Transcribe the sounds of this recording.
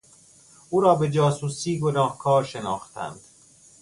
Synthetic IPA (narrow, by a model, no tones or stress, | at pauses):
ʔuːɾɒːbe̞d͡ʒɒːsuːsiːɡonɒːhkʰɒːɾʃe̞nɒːxt̪ʰæ̰nd̪̥